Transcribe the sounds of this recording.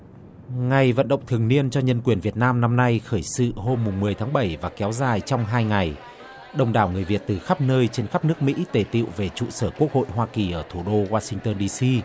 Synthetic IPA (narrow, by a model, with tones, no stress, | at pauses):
ŋa˨˩jvə̰˧˨nɗə̰˧˨ŋ͡mt̪ʰɨ˨˩əŋni˧ənt͡ɕɔ˧ɲə˧nkwi˨˩ənvi˨˩ət̚naː˧mna˧mna˧jxəː˧˩jsɨ̰˧˨ɦo˧mːʊ˨˩ŋ͡mmɨ˨˩əjt̪ʰaː˨˦ŋɓə˧˩jvaː˨˩kɛ˨˦wzaː˨˩jt͡ɕɔ˧wŋ͡mɦaː˧jŋa˨˩j | ɗə˧wŋ͡mɗaː˧˩wŋɨ˨˩əjvi˨˩ət̚t̪ɨ˨˩xa˦˥p̚nəː˧jt͡ɕe˧nxa˦˥p̚nɨ˦˥ək̚mḭ˧˥t̪e˧˩t̪ḭ˧˨wve˨˩t͡ɕṵ˧˨səː˧˩ku˦˥ək̚ho̰˧˨jɦwaː˧ki˨˩ʔəː˧˩t̪ʰu˧˩ɗo˧waː˧sï˧ŋt̪əː˧nɗi˧si˧